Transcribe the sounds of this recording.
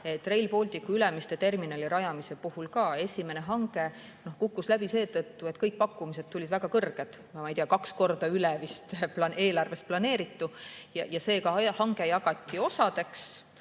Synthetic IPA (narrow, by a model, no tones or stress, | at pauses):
e̞t̪ːˑre̞jlpo̞lʲt̪ʲikːuylemist̪e̞t̪e̞rminɑlʲiɾɑjɑmise̞puhulkɑːe̞sʲime̞ne̞ɦɑŋɡ̥e̞ | no̞hkukːuslæb̥ise̞ːt̪ɤt̪ːue̞t̪kɤjk̚ːpɑkːˑumis̬e̞d̪̥t̪ːulʲid̪væɡ̥ɑkɤrɡ̥ed̪̥ | mmɑjt̪ijɑkɑksko̞rd̪̥ɑylɛvist̪plɑne̞ːlɑrve̞st̪̚plɑne̞ːɾit̪ːujɑjɑse̞ːkɑhɑŋɡ̥ejɑɡɑt̪ˑːio̞sɑd̪̥e̞ks